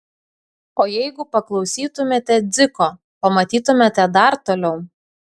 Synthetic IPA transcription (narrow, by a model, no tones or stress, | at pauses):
oːjɛɪɡʊpɐklˠɒʊsʲiːt̪ʊmʲeːt̪ʲɛd̪zʲɪkoː | pɐmɐt̪ʲiːt̪ʊmʲeːt̪ʲɛd̪ɐɾt̪oːlʲɛʊ